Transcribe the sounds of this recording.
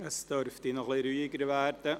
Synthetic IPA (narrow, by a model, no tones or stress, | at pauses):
əsd̥øɾftɪnɔχliɾyːɪɡəɾvæɾd̥ə